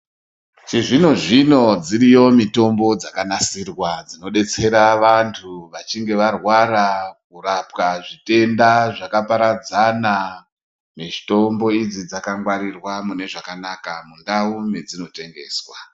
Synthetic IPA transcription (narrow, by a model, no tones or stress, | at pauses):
t͡ʃiʐino̞ʐino̞d͡ziɾijo̞mito̞mbo̞d͡zakanasirwad͡zino̞ɗe̞t͡se̞ɾaʋantʰuʋat͡ʃiŋɡe̞ʋarwaɾak̚urap̚kaʐite̞ndaʐakapaɾad͡zana | meʐito̞mbo̞id͡zid͡zakaŋɡwaɾirwamune̞ʐakanakamundaumed͡zino̞te̞ŋɡe̞ːswa